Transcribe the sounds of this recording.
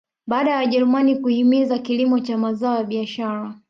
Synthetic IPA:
ɓaːɗajawaʄɛɾumanikuhimizakilimɔt͡ʃamazaɔjaɓiaʃaɾa

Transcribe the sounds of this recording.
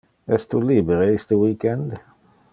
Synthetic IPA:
ɛst̪ʰulibəɾejst̪əwiːkɛnd̪

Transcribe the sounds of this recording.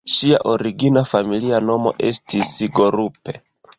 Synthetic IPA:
ʃia̰ʔo̞ɾiɡinafamiliano̞mo̞̰ʔe̞̰stisiɡo̞ɾupe̞

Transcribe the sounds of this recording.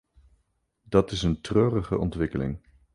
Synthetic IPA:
dɑtɪsəntrøːrəχə̰ʔɔ̰ntʋɪkəlɪ̰ŋ

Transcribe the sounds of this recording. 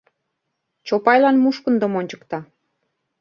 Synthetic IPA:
t͡ɕopɑjlɑnmuʃkənd̪ə̆monʲt͡ɕə̥kt̪ɑ

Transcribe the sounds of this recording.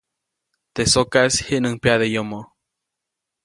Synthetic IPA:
t̪esokashiʔnɨŋpjaðejomo

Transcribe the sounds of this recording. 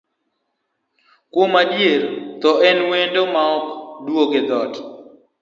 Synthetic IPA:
kwomadjeɾt̪ɔɛnwendomaɔkdwoɡed̪ɔt

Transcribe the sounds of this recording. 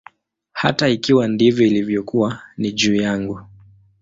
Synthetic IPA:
hataikiwandivjɔilivjɔkuwaniʄuːjaŋɡu

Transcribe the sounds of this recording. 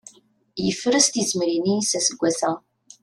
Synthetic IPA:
jəfəɾəst̪izmɾinisæsəɡʷːaθæ

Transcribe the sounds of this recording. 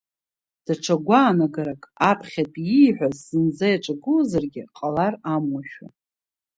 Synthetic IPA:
d̥aʈ͡ʂʷʰaɡʷaːnaɡaɾakʼapʰχʲatʼijħʷᶣazːɨnd͡zajaʈ͡ʂʼaɡɨzarɡʲɪqʼalaramwaʃᶣa̰

